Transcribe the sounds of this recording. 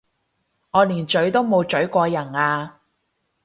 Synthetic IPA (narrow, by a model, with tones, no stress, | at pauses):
ŋɔː˨˧liː˨˩nt͡ʃɵ˨˥ɥt̪o˥wmo˨˧wt͡ʃɵ˨˥ɥkʷɔː˧jɐ˨˩naː˧